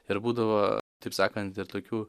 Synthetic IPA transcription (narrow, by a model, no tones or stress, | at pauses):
ɪɾbuːd̪ɐʋoːt̪ɐɪpsɑːkɐnt̪ɪɾt̪oːkʲuː